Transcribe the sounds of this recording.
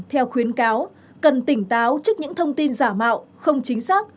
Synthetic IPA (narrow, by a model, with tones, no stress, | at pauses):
t̪ʰɛ˧wxwi˨˦ənkaː˨˦w | kə˨˩nt̪ï˧˩ŋ̟t̪aː˨˦wt͡ɕɨ˦˥k̚ɲɨ̰˧˥ŋt̪ʰə˧wŋ͡mt̪i˧nzaː˧˩ma̰ː˧˨w | xə˧wŋ͡mt͡ɕï˨˦ŋ̟saː˦˥k̚